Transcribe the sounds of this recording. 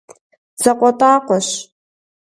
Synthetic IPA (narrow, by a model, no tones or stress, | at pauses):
t͡sɐqʷɔtʼaːqʷɔɕ